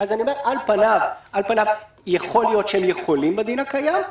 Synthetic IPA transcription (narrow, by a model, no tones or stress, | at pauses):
azanio̞me̞ʁʔalpanavʔalpanav | jeχo̞lijo̞tʃeemjeχo̞limbed̪inakajam